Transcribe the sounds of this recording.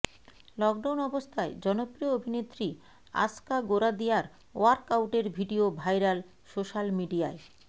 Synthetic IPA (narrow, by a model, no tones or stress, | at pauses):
lɔk̚ɖawnɔbost̪ʰaed͡ʑɔnopɾijoobʱinet̪ːɾi | a̰skaɡoɾad̪iaɾ | oaɾkawʈeɾbʱiɖiobʱajɾal | soʃalmiɖiae